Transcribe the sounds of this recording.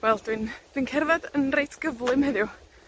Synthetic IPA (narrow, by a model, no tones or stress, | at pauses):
wɛlˠd̥wind̥winkʰɛrvadənrejtʰɡ̥əvlˠɪmhəðju